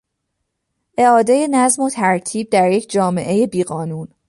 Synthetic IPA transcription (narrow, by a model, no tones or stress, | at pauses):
ʔe̞ɒːd̪e̞je̞næzmo̞t̪ʰæɾt̪ʰiːb̚d̪æɾje̞cʰd͡ʒɒːme̞̰ʔe̞je̞biːɣɒːnuːn